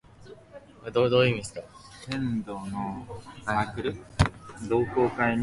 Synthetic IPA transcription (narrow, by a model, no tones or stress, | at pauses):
ad̪oːd̪oːimʲisɨ̥t̪otẽnd̪onoakɯɾɯ | d̪o̞ːkoːkaiɲ